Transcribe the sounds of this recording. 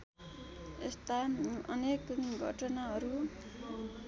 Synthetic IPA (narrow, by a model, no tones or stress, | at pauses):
est̪aʌnekɡʱʌ̰ʈʌnaɦʌɾu